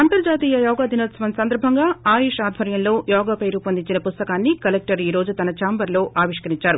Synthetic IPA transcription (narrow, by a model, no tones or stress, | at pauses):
ɐnt̪ɐɾd͡ʒaːt̪iːjɐjɔːɡaːd̪ʱinoːt̪sɐʋɐnsɐnd̪ɐɾbʱɐŋɡaːaːjiːʂaːd̪ʱʋɐɾjɐnlo̞ːjɔːɡaːpɐjɾuːpɐnd̪iɲt͡ʃinɐpust̪ɐkaːnːikɐlek̚ʈɐɾiːɾo̞ːd͡ʒut̪ɐnɐt͡ʃaːmbɐɾlo̞ːʔaːʋiʂkɐɾiɲt͡ʃaːɾu